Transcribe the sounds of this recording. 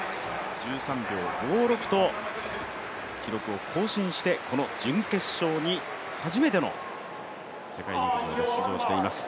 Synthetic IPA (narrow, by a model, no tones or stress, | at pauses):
d͡ʑɨːsãmbʲjo̞ːɡo̞ːɾo̞kɯ̟̥t̪o̞ | kʲiɾo̞kɯ̟o̞kʰo̞ːɕĩɰ̃ɕi̥t̪e̞kʰo̞no̞d͡ʑɨ̃ŋke̞ɕo̞ːɲ̟i | haʑime̞t̪e̞no̞̰ | se̞kainoot͡ɕioaɕizo̞ːɕi̥t̪e̞imasɨ̥